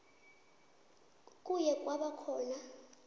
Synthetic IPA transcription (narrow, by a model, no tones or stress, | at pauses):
kʼujɛk̬ʼwaɓakʰɔːna